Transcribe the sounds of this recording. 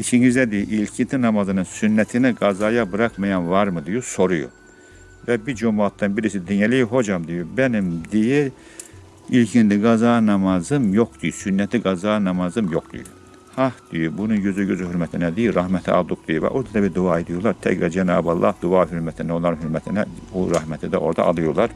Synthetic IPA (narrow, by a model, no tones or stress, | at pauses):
it͡ʃʰiɲizd̪æd̪ijiʔilcʰint̪inɑmɑzɯnɯnsynːæt̪ʰiniɡɑzɑjɑbɯɾɑxmɑjɑnvɑɾmɯd̪ijuso̞ɾujṵ | væbiɾd͡ʒomɑt̪ːɑnbiɾisid̪inælijiɦo̞d͡ʒɑmd̪ijubænimd̪iji | ilcʰint̪ʰiɡɑzɑnɑmɑzɯmjoxd̪ujusynːæt̪ʰiɡɑzɑːnɑmɑzɯmjoxd̪ṵjṵ | hɑhd̪̥ijybununjøzyɟøzyhyɾmæt̪ʰinæd̪ijiɾɑhmæt̪ʰiɑ̰lˠd̪ukd̪ijuvæ̰ʔoɾd̪ɑt̪d̪æbid̪uɑed̪ijulˠɑɾt̪ʰæ̰cɾæd͡ʒænɑːbɑlˠːʔɑ̰hd̪uɑɦyɾmæt̪ʰind̪æo̞nlˠɑɾɯnhyɾmæt̪ʰinæuɾɑhmæt̪ʰid̪æ̰ʔo̞ɾd̪ɑ̰ʔɑ̰lˠɯjuɾlˠɑɾ